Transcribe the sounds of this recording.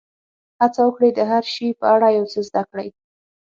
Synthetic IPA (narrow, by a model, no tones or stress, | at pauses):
hat͡sawəkɽejd̪əɦaɾʃipəaɽajawt͡səzd̪akɽaj